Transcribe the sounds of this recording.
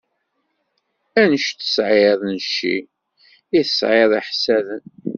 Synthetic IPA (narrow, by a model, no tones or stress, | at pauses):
ænəʃt̪ə̥sʕeðˤnəʃːḭ | iθə̥sʕeðˤiħsæðən